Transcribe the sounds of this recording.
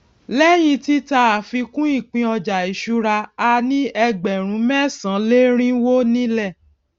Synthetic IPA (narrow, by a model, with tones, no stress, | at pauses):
lɛ˦j̃ĩ˧ti˦ta˧a˨fi˧kũ˦i˦˨k͡pĩ˧ɔ˧d͡ʒa˨i˨ʃu˧ɾa˧a˧nĩ˦ɛ˧ɡ͡bɛ˨ɾ̃ũ˨˦mɛ̃˦˨sã˨˦le˦ɾ̃ĩ˦wo˦nĩ˦lɛ˦˨